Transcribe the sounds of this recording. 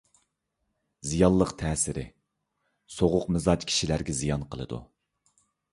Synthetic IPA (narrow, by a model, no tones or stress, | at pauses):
zijɑlˠlˠəqt̪ʰɛːsɪɾɪ̰ | soʁʊqmɪzɑt͡ʃkʲʰi̥ʃilæɾɡʲɛzijɑnqʰəlˠɨ̰d̪ṵ